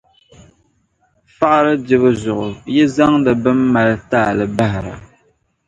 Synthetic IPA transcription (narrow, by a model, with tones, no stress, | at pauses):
fa˦ʔɾɨ˦dɪ˨βɨ˦zʊ˨ʔʊ˨jɛ˦za˦ŋdɨ˨bɨ˦mː˦a˨ltaː˦˨lɨ˨ba˦hɪ˨ɾa̰˨